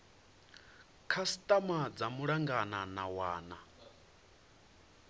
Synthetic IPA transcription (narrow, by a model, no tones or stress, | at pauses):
kʰasi̥t̪ʼamad͡zamuɺaŋɡananawaːna